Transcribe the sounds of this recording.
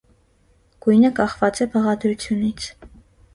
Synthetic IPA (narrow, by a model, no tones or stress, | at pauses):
ɡ̥ujnəkɑχvɑt͡sɛbəʁɑd̪ɾut͡sʰjunit͡sʰ